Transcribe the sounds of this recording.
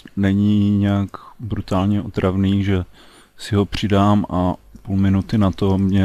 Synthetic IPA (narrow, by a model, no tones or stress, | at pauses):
nɛɲiɲɛakbɾut̪aːlɲɛot̪ɾʔavniːʒɛ | sɪɦo̞pr̝̥ɪdaːmʔapulmɪnut̪ɪnat̪o̞mɲɛ